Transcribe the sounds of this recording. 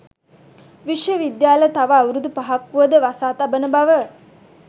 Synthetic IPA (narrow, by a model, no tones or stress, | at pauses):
ʋiʃjəʋid̪jaːlət̪aʋəːwɾud̪upaɦakʋuʋəd̪əʋasaːt̪abənəbaʋə